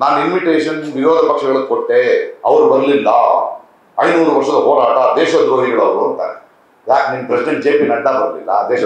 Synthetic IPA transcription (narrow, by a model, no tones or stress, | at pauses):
naːninmiʈeːʂɐnsʋiɾoːd̪ʱɐpɐkʂɐɡɐɭɐkoʈːeɐ̰ʋɐɾubɐɾɐlilːɐ̰ | ɐjnuːɾuʋɐɾʂɐd̪ɐɦoːɾaːʈɐd̪eːʃɐd̪ɾoːɦiɡɐɭɐʋɾuɐnt̪a̰ːɾe | jaːknimːɐpɾɐsiɖeɳʈ̚d͡ʒeːpinɐɖːabɐɾlḭlːɐ̰d̪eːʃɐ